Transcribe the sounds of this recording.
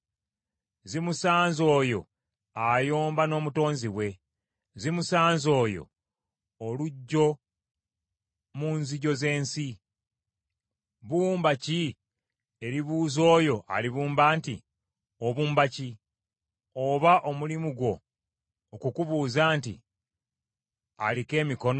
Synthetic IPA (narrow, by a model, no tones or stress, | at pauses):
zimusaːnzo̞ːjo̞̰ | ajo̞ːmbano̞ːmuto̞ːnziwe̞ | zimusaːnzo̞ːjo̞̰ː | luɟːo̞ | munziɟo̞ze̞ːnsi | βuːmbaci | e̞ɾiβuːzo̞ːjo̞ʔa̰liβuːmbaːntḭ | oβuːmbaci | oβaʔo̞mulimuɡwo̞ː | kukuβuːzaːntḭ | a̰like̞ːmiko̞n